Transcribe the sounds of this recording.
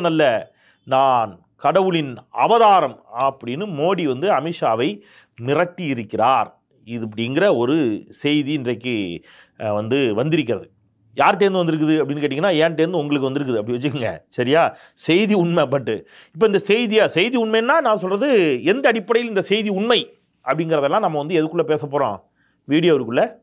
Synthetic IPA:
nɐlːɐ | naːn | kɐɽɐʋɯɭɪnɐ̰ʋɐðaːɾɐmɐpːɐɽɪnːɯmoːɽiʋɐnd̪ɯɐmɪʂaːʋɐɪ | nɪrɐʈːijɪɾɯkːɪɾaːɾ | ɪðpːɐɽɪŋɡɪɾɐɔɾɯsɛjðiɪndrɐkːɯ | ʋɐnd̪ɯʋɐnd̪ɪɾɯk̬ːɪɾɐðɯ | jaːɾt̪eːɾnd̪ɯʋɐnd̪ɪɾɯkːɯðɯɐpːɐɽɪnːɯk̬eːʈ̬ːɪŋɡɐnːaːɛːnt̪eːɾnd̪ɯʊŋɡɐɭɯkːɯʋɐnd̪ɪɾɯk̬ːɯðɯɐpːɐɽɪiʋɐt͡ʃːɯkːɯŋɡɐ̰sɐɾɪjaː | sɛjðiʊɳmɐpːɐʈːɯ̰ | ɪp̬ːoːɪnd̪ɐsɛjðijaːsɛjðiʊɳmɐjnːaːnãːsɔlrɐðɯɛnd̪ɐːɽɪpːɐɽɐjɪlɪnd̪ɐsɛjðiʊɳmɐɪ | ʔɐpːɐɽɪŋɡɪɾɐðɛlːãːnɐmːɐʋɐnd̪ɯɛðɯkːɯɭːɐpeːsɐpːoːɾõ̰ː | ʋiːɽɪjaʋɐɾɯkːɯlːɐ

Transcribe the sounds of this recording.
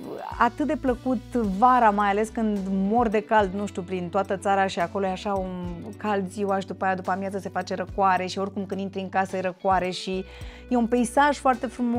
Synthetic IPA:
a̰t̪ɨt̪̚d̪e̞pləkut̪vaɾamajale̞skɨnd̪mo̞rd̪e̞kald̪nuʃt̪ʲjupɾint̪oat̪ət̪saɾaʃiako̞lojeaʃaunkald̪zʲjiwaʃd̪upaːjad̪upamjazəse̞fat͡ʃe̞ɾəkwaɾe̞ʃio̞rkumkɨnint̪ɾiɨŋkasəjɾəkwaɾe̞ʃi | je̞unpe̞isaʒfoart̪e̞fɾumo

